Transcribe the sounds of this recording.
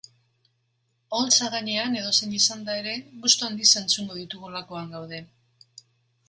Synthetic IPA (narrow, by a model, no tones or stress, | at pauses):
olt͡saɣaɲe̞ane̞ð̞o̞se̞ɲisand̪ae̞ɾe̞ɣust̪uand̪ise̞nt͡suŋɡo̞ðit̪uɣulako̞aŋɡawð̞e̞